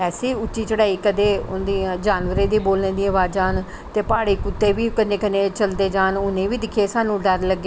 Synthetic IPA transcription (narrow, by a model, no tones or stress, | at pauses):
ɛːsiːʊtːʃiːt͡ʃəɽaːiːkəd̪eːʊnd̪id͡ʒaːnʋəɾeːd̪iːboːlnẽːd̪iːəʋaːd͡ʒaːn | t̪eːpaːɽiːkʊt̪ːeːʋiːkənẽːkənẽːt͡ʃəld̪eːd͡ʒaːnʊnẽːʋiːd̪ɪkʰeːsaːnũːɖəɾləɡːe